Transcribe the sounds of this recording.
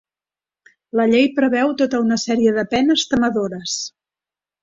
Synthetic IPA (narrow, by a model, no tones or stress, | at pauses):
ləʎejpɾəβɛwt̪ot̪əunəsɛɾiəðəpɛnəst̪əməðoɾəs